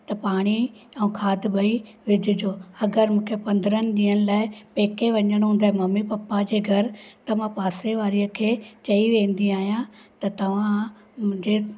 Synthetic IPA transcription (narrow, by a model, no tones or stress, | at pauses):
t̪ɐpaːɽ̃iɛ̃ũːkʰaːd̪bɐi | ʋɪd͡ʑʊd͡ʑoːɐɡəɾmũːkʰepɐ̃nd̪ɾənɪ̆ɗiːəɽ̃ɪ̆laːɪpeːkʰeʋɐɲəɽ̃ɦũːnd̪aːɦɛmɐmipɐpːad͡ʑeːɡʱɐɾt̪ɐʋãpaːseʋaːɾiəkʰeːt͡ɕɐiʋẽːn̆d̪iaːɦijãt̪ɐt̪ɐʋ̤ã | m̃d͡ʑe